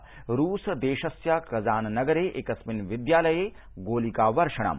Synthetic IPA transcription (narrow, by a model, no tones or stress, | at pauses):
ɾuːsd̪eːʃɐsjakɐzaːnnɐɡɐɾeːʔekɐsminʋid̪jaːlɐjeː | ɡoːlikaːʋɐɾʂɐɳ̃ɐ̰m